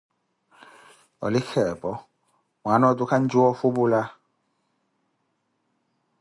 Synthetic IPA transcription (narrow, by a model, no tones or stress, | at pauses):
ɔ̰lɪxʰɛpɔ | manɔdukʰan̩d͡ʒuɔfubula